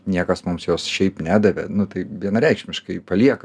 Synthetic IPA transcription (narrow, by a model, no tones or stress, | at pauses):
nʲiɛkɐsmʊmsjoːsʃʲɛɪpnʲæːd̪ɐʋʲɛnʊt̪ɐɪʋʲiɛnɐɾʲɛɪkʃʲmʲɪʃkɐɪpɐlʲiɛkɐ